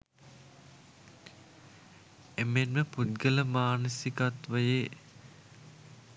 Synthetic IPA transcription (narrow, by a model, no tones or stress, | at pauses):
emenməput̪̚ɡələmaːnəsikat̪ʋəje